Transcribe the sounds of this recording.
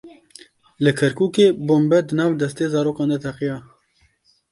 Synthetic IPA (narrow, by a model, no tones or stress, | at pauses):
lɨkʰɛɾkuːkeːboːmbɛd̪ənɑːvd̪ɛst̪eːzɑːɾoːkɑːnd̪ɛt̪ʰɛqijɑː